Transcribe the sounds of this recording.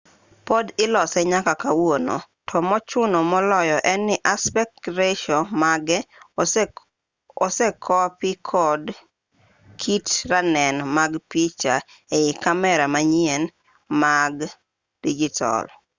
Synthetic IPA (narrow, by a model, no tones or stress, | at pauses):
pɔdɪlɔsɛɲakakawono̰ | tʰɔmɔt͡ʃʊnomɔlɔjɔʔɛnːɪʔaspɛk̚ɾeʃɔmaɡɛ | ɔsɛkʰɔpɪkʰɔd | kʰitɾanɛnmaɡpit͡ʃa | eɪkamɛɾamaɲɪɛn | maɡ | d̥id͡ʒɪtʰa̰l